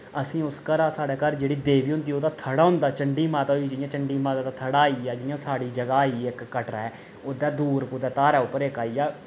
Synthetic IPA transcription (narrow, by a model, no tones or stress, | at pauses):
əsĩːʊskəɾaːsaːɽɛːkəɾd͡ʒeːɽiːd̪eːʋiːɦʊ̃nd̪iːoːd̪aːt̪ʰəɽaːɦʊ̃nd̪aːt͡ʃəɳɖiːmaːt̪aːɦiːd͡ʒɪjãːt͡ʃəɳɖiːmaːt̪aːt̪aːt̪ʰəɽaːiaːd͡ʒɪjãːsaːɽiːd͡ʒəɡaːiːɪkːəʈɾaːɛː | oːd̪aːd̪uːɾput̪ɛːt̪aːɾɛːʊpːəɾɪkaːiːaː